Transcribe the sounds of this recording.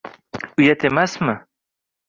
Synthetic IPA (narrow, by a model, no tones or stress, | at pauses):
ujat̪emasmə